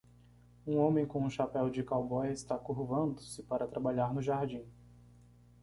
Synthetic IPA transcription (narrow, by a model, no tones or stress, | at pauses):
ũõmẽj̃kõũʃapɛwd͡ʒɪkawbɔjɐɪst̪akuhvɐ̃nd̪ʊsɪpaɾɐt̪ɾabaʎaɾnʊʒaɾd͡ʒĩ